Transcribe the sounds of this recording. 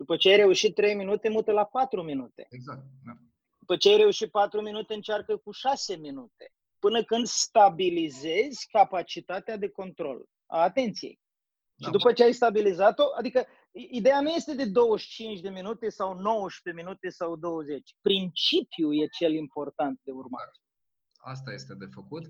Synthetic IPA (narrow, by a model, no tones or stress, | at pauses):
d̪̥upət͡ʃeajɾe̞uʃit̪̚ːɾe̞jminut̪e̞mut̪əlapat̪ɾuminut̪e̞̥̰za | d̪upət͡ʃeajɾe̞uʃit̪̚pat̪ɾuminut̪e̞ɨnt͡ʃarkəkuʃase̞minut̪e̞ | pɨnəkɨnd̪st̪abilize̞zʲkapat͡ʃit̪at̪ead̪e̞ko̞nt̪ɾo̞̰l | a̰ːt̪e̞nt̪sije̞̰j | ʃid̪upət͡ʃeajst̪abilizat̪o̞ʔad̪ikə | id̪e̞januje̞st̪e̞d̪e̞d̪o̞wəʃt͡ʃint͡ʃʲd̪e̞minut̪e̞sawno̞wəʃp̪eminut̪e̞sawd̪o̞wəze̞t͡ʃʲpɾint͡ʃipjuje̞t͡ʃe̞limpo̞rt̪ant̪̚d̪e̞urma̰ | a̰st̪ajest̪ed̪efəkut̪